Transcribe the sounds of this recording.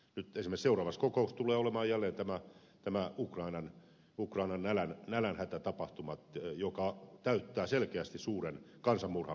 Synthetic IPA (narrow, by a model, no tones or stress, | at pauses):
nyt̪esimeseurɑːʋɑskokoust̪uleːolemɑːjælːeːnt̪æmæ | t̪æmæukrɑinɑn | ukrɑinɑnælænnælænhæt̪æt̪ɑpɑht̪umɑt̪jokɑt̪æyt̪ːæːselkeæst̪issuːren | kɑnsɑmmurhɑ